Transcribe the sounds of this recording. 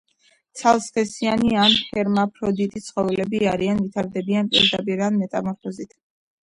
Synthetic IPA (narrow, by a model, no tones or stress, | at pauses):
t̪sʰalˠsχɛsianianhɛɾmapʰɾɔd̪it̪ʼit̪sʰχɔvɛlɛbiaɾianvit̪ʰaɾd̪ɛbianpʼḭɾd̪apʼiɾanmɛt̪ʼamɔɾfʰɔzit̪ʰ